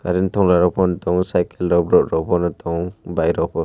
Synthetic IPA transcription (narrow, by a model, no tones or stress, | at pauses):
kaɾint̪ʰɔŋlaɾɔpʰɔnɔt̪ɔŋsajkɛlɾɔbɾɔʔɾɔpʰɔnɔt̪ɔŋbajɾɔpʰɔ